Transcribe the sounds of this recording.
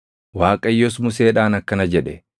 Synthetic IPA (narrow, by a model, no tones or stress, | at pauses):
waːkʼɐjːɔsmʊseːᶑaːnɐkːɐnɐd͡ʒɛᶑɛ